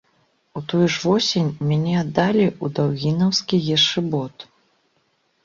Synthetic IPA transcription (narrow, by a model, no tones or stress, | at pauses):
ut̪ɔjuʐvɔsʲenʲmʲanʲɛad̪ːalʲiud̪awɣʲinɐwskʲijɛʂɨbɔt̪